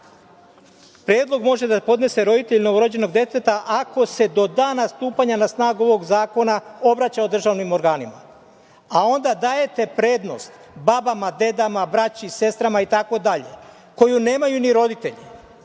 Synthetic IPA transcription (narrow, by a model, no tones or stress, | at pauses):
pɾjeːd̪lˠo̞ɡmo̞ʒe̞d̪apo̞d̪ne̞se̞ɾo̞d̪it̪e̞ʎno̞ʋoɾod͡ʑe̞no̞ɡd̪je̞t̪et̪aʔako̞se̞d̪o̞d̪aːnast̪uːpaɲanasnaːɡuo̞ʋo̞ɡzaːko̞nao̞bɾat͡ɕaod̪r̩ʒaʋnimoɾɡaːnima | ao̞nd̪ad̪aːje̞t̪e̞pɾe̞ːd̪no̞̰st̪ | babamad̪e̞d̪amabɾat͡ɕise̞st̪ɾamait̪ako̞d̪aʎe̞̰ | ko̞june̞ːmajuniɾo̞d̪it̪e̞ʎi